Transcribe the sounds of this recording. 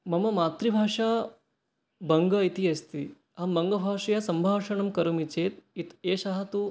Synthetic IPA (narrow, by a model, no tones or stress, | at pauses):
mɐmɐmaːt̪ɾibʱaːʂaː | bɐŋɡɐit̪iɐst̪i | ɐmbɐŋɡɐbʱaːʂɐjasɐmbʱaːʂɐɳɐmkɐɾumit͡ʃeːt̪̚it̪eːʃɐɦɐt̪u